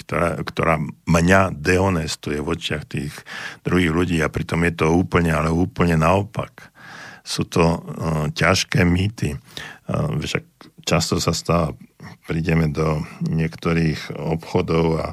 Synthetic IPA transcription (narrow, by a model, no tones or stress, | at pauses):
kt̪ɔɾa̰kt̪ɔ̰ɾaːmɲad̪ɛɔnɛst̪ujɛʋɔt͡ʃɪaxt̪iːɣd̪̥ɾuɦiːɣluɟiːapɾit̪ɔmjɛt̪ɔuːpl̩ɲɛalɛuːpl̩ɲɛnaɔpa̰k | suːt̪ɔcaʃkɛːmiːt̪i | ʃa̰k̚t͡ʃast̪ɔsast̪aːʋaːpɾiɟɛmɛd̪ɔɲɪɛkt̪ɔɾiːxɔpxɔd̪ɔʊa̰